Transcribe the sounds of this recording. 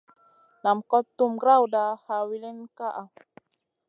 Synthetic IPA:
na˨mkɔ˦t̪ːu˦mɡɾa˦wda˨ha˧wi˦li˦nka˦ʔa˨

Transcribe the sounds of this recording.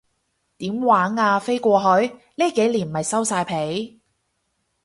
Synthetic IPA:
t̪iː˨˥mwaː˨˥ŋaː˧fe˥jkʷɔː˧ɦɔː˨˥j | liː˥ke˨˥jliː˨˩nmɐ˨jsɐ˥wsaː˧jpʰe˨˥j

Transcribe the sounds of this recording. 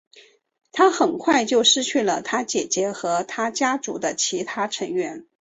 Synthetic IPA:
t̪ʰa˥xə˨˩nkʰwa˥˧ɪt͡ɕjo˥˩ʊʂɻ̩˥t͡ɕʰy˥˩lə˩t̪ʰa˥t͡ɕjɛ˨˩t͡ɕjɛ˧˥xɤ˧˥t̪ʰa˥t͡ɕja˥t͡su˧˥d̪ə˧t͡ɕʰi˧˥t̪ʰa˥ʈ͡ʂʰə˧˥ŋɥɛ˧˥n

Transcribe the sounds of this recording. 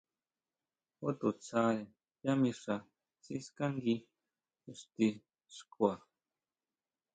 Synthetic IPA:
o˦t̪u˨t͡sa˧ɾe˨ | ja˦mĩ˧ʂa˧ | t͡si˦ska˦ŋɡi˧ | u˧˨st̪i˧ | ʂkwa˨

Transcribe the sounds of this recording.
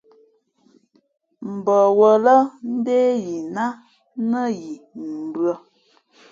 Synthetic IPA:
m̩˨bə˨wə˨lə˦n̩˦deː˦ji˨na˦ | nə˦ji˨m̩˨bɰə˦

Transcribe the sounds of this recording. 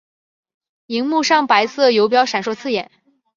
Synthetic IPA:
i˧˥ŋmu˥˧ʂɑ˥˩ŋpa˧˥ɪsɤ˥˩jo˧˥ʊp̬jɑ˥ʊʂa˨˩nʂwɔ˥˧t͡sʰɹ̩˥˩jɛ˨˩˦n

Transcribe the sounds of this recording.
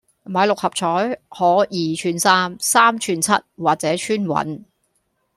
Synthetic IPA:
maː˨˧jlʊ˨k̚hɐ˨p̚t͡ʃʰɔː˨˥jhɔː˨˥jiː˨˩t͡ʃʰyː˧nsaː˥msaː˥mt͡ʃʰyː˧nt͡sʰɐ˥t̚waː˨t̚t͡sɛː˨˥t͡ʃʰyː˥nwɐ̰˨˥n

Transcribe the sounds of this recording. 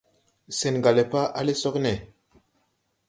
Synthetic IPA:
se˨nɡa˨le˨pa˦ʔa˦le˦sɔ˦knɛ˨

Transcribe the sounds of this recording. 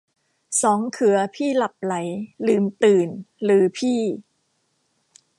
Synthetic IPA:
sɔː˩˦ŋkʰɯ˩˦ɐpʰiː˥˩la˨˩p̚la˩˦jlɯː˨˩mt̪ɯː˨˩nlɯː˩˦pʰiː˥˩

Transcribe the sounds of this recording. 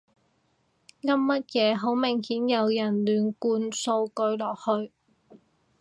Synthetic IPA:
ŋɐ˥mmɐ˥t̚jɛː˨˧ɦo˨˥wmɪ˨˩ŋhiː˨˥njɐ˨˧wjɐ˨˩nlyː˨˩nkuː˧nso˧wkɵ˧ɥlɔː˨k̚hɵ˧ɥ

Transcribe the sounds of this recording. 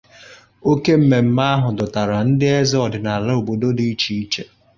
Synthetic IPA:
o˦ke˦m̩˦me˨m̩˦ma˦a˦ɦʊ˨dʊ˨ta˨ɾa˨n̩˦dɪ˦e˦zɪ˦ɔ˨dɪ˨na˨la˦o˨bo˨do˦di˦i˦t͡ʃi˦i˦t͡ʃe˦

